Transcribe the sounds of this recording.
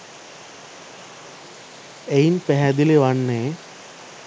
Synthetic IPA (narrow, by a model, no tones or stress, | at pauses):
ejnpɛɦæd̪ileʋanːeː